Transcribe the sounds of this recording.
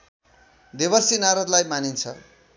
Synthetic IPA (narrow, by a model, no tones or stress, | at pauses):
d̪eβʌrsinaɾʌd̪lajmanint͡sʰʌ̰